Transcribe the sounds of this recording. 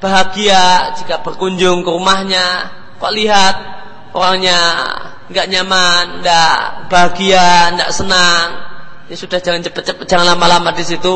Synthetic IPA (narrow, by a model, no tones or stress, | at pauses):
b̥aɦaɡiad͡ʒikab̥ərkuɲd͡ʒʊŋkəɾumahɲa | kaʔliɦat̪̚ | ʔo̰ɾaŋɲa | ŋɡaʔɲamanndaʔb̥aɦaɡiandaʔsənaŋjasudahd͡ʒaŋant͡ʃəpət͡ʃəpəd͡ʒaŋanlamalamadisit̪u